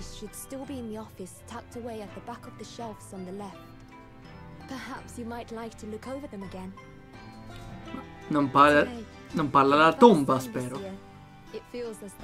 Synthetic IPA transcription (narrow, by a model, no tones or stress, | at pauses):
z̥ʃɨd̥stɪlˠbiɨ̃nðiɔfɨstʰæk̚təweɪɨt̪̚ðəbakʌvðɨʃɛlˠfsn̩ðəlɛft | pʰə˞hæpsjɨmaɪtˡlaɪk̚tʰɨlʊkʰoʊvə˞ðɨ̃mɨɡɛ̃n | nəmpaa | nɔmpalalad̪ɔmbaspɛɾo | ɨtfilˠzɨz